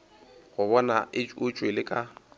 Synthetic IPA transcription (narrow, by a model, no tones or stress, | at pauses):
ɣʊβɔnaɪt͡ʃʼʊt͡ʃʼwelɪkʼa